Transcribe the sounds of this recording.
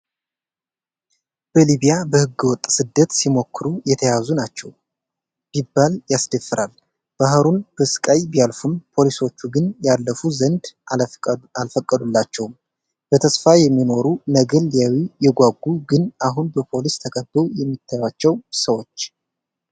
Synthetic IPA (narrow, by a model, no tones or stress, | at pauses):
b̥əliβijabəhɨɡːɨwɔt̪ʼːsɨd̪ːət̪simo̞kːɨɾujɛt̪ʰəjazunat͡ʃːɛw | b̥ibːaljasd̪əfːɨɾal | b̥aɦɾunb̥əsɨ̥kʼajbijalfunpʰo̞liso̞t͡ʃːuɡɨnjalːəfuzənd̪ | alfəkʼːəd̪ulːat͡ʃːɛwm | b̥ət̪ʰəsfajɛmːino̞ɾunəɡəlijawijɛɡʷaɡːuɡɨnʔaɦunbəpʰo̞list̪ʰəkʰʼəbːojɛmːit̪ʰːajwat͡ʃːɛwsəwo̞t͡ʃː